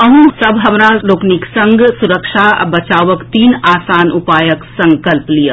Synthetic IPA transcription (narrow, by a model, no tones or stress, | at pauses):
ɐɦũsɐbɦɐmɾaloːkniksɐ̃ŋɡsʊɾəkʃabɐt͡ʃaːʋəkt̪iːnaːsaːnʊpaːjəksɐ̃ŋkəlplijəː